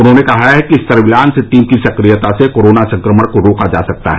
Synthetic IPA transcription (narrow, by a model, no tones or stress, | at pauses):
ʊnɦõnekɐɦaɦɛkiɪsːɐɾbɪlaːnsɪt̪iːmkisɐkɾijət̪asekoːɾoːnasɐ̃ŋkɾəməɽkoɾoːkad͡ʒa̰ːsɐk̚t̪a̰ɦɛ